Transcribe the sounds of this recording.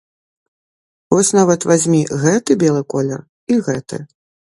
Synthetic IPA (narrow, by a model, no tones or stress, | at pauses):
vɔsʲn̪avɐt̪vazʲmʲiɣɛt̪ɨbʲɛlˠɨkɔlʲɛr | iɣɛt̪ɨ̰